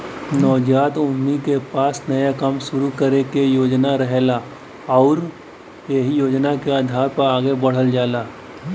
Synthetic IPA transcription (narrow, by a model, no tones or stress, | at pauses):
nɔːd͡ʒaːt̪ʊmːikepaːsnɐjakɐmʃʊɾukəɾekejoːd͡ʒnaɾəɦela | ɔːɾ | jeɦijoːd͡ʒnakeaːd̪ʱaːɾpɐɾaːɡebɐɽ̤əld͡ʒaːlaː